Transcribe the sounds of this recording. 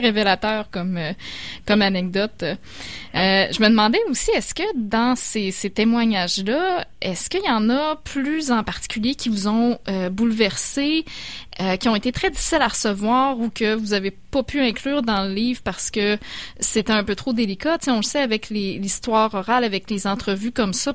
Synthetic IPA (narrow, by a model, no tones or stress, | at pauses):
ʁevelat̪œːʁkɔmøkɔmanɛɡ̚d̪ɔt̪ | øʒəməd̪mɑ̃d̪ɛusiɛskʲəd̪ɑ̃seset̪emwaɲaʒlʌɛskəijɑ̃nʌplyzɑ̃paʁ̥t̪i̥kʲyljekʲivuzɔ̃øbulvɛʁse | økʲiɔ̃et̪et̪χɛd͡z̪ifisilaʁəsəvwɑːʁukʲəvuzavepɔpʰyɛ̃klyːʁd̪ɑ̃ləliːvʁpaʁsə̥kəset̪ɛœ̃pøt̪χod̪elikat̪seɔ̃ləsɛavɛklelist̪wɑːʁɔʁalavɛklezɑ̃t̪χəvykɔmsʌ